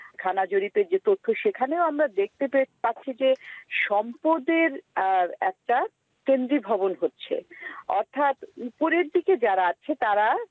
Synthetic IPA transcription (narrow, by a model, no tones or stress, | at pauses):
kʰanad͡ʑoɾipeɾd͡ʑet̪ot̪ʰːoʃekʰaneoamɾad̪ek̚ʰt̪epepaɾʰid͡ʑeʃɔmpod̪eɾɛk̚ʈa | kend̪ɾibʱɔbonɦotːɕʰḛɔɾt̪ʰat̪upoɾeɾd̪iked͡ʑaɾaat͡ɕʰet̪aɾa